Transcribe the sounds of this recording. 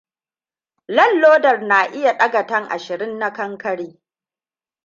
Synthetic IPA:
lɐ˦˨lːoː˦dɐ˨rnaː˨ʔɪ˦ja˨ɗɐ˦ɡɐ˨tɐ˦ŋʔa̰˨ʃɪ˨ɾɪ˦nːa˦kɐ˦ŋkɐ˦ɽiː˦

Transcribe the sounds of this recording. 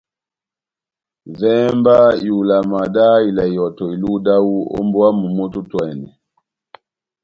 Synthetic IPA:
vɛ˦mba˦ju˨la˨ma˨da˦i˨la˨i˨ɔ˨tɔ˨i˨lu˦da˦u˦ɔ̰˦mbwa˦mu˨mu˦tu˦twɛ˨nɛ˨

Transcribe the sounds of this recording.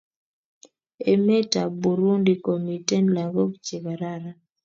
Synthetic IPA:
e˨me˦ta˨bu˨ɾu˦ndi˨ko˨mi˨te˦nla˨ɡo˦kt͡ʃe˨ɡa˨ɾa˦ɾa˦

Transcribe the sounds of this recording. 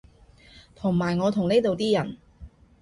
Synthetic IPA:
t̪ʰʊ˨˩ŋmaː˨˩jŋɔː˨˧t̪ʰʊ˨˩ŋne˥jt̪o˨wt̪iː˥jɐ˨˩n

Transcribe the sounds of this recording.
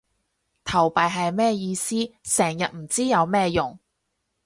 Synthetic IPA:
t̪ʰɐ˨˩wpaː˨jɦɐ˨jmɛː˥jiː˧siː˥sɛː˨˩ŋjɐ˨t̚m̩˨˩t͡siː˥jɐ˨˧wmɛː˥jʊ˨˩ŋ

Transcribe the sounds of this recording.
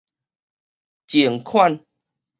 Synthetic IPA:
t͡ɕi˨˩əŋkʰwa˥˨n

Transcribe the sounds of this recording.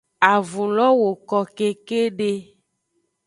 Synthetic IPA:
a˨vu˨lɔ˦wo˨kɔ˨ke˦ke˦ɖe˦

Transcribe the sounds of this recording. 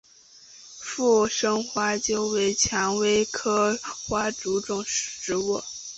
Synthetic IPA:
fu˥˩ʂɤ˥ŋxwa˥t͡ɕjo˥ʊwe˧˥ɪt͡ɕʰjɑ˧˥ŋwe˥ɪkʰɤ˥xwa˥ʈ͡ʂu˧˥ʈ͡ʂʊ˥˩ŋʂ̩˥˩ʈ͡ʂɻ̩˧˥wɔ˥˩

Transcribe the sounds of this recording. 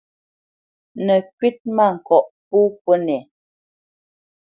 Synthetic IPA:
nə˨kɥi˦t̚ma˦˨ŋ̩˨kɔ˨ʔp̚u˦po˦nɛ˨

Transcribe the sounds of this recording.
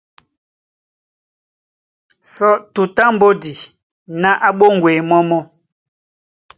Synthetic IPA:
sɔ˦tu˨ta˦m̩˨bo˦di˨ | na˦ʔa˦ɓo˦ŋɡwe˨mɔ˦mɔ˦

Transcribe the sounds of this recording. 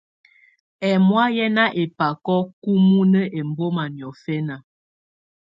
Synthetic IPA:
ɛ˨mwa˦jɛ˦na˦ʔe˨pa˨kɔ˦ku˦mu˦nə˦ʔe˨m˨bo˦ma˨njɔ˨fɛ˦na˨

